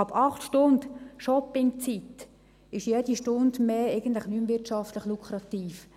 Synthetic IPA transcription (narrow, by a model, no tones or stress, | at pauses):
ɑpʰɑχtʃtʊnd̥̪ʃɔpɪŋt͡sit̪ | ɪʃjɛd̥iʃtʊnd̪meːeɪɡən̩t̪ləχnymʋɪtʃɑft̪ləχlukʰɾɑt̪iːf